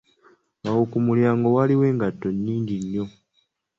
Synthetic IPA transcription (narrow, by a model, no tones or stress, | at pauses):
awokumuljaːŋɡowaliwe̞ːŋɡatːo̞nːiːɲɟiɲːo